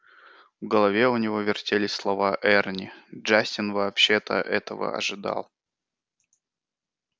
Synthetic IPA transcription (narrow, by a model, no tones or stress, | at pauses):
vɡəlˠɐvʲe̞ʊnʲɪvo̞vʲɪrtʲelʲɪsʲslˠɐvaʔɛrnʲɪdʐasʲtʲɪnvɐːpɕːet̪ə̰ʔɛt̪əvə̰ɐ̰ʐɨd̪ɑ̰lˠ